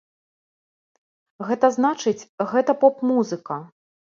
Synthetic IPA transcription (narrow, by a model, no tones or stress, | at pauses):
ɣɛt̪ɐznat͡ʂɨt͡sʲɣɛt̪ɐpɔpmuzɨkɐ